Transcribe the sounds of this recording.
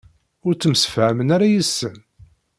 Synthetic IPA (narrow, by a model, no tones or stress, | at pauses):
ʊɾt͡sːəmsə̥fhæmənaɾajəsːən